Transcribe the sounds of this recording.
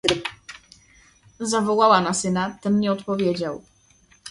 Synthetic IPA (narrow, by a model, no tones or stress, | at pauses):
zavɔwawanasɘnat̪ɛmɲɛɔt̪pɔvʲjed͡ʑaw